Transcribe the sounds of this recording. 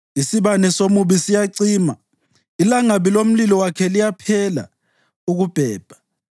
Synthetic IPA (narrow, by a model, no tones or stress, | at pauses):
isiβanɛsomuβisijaǀiːma | ilaŋaβilom̩lilɔwakʰɛlijapʰɛla̰ | uɣub̥ʱɛːb̥ʱḁ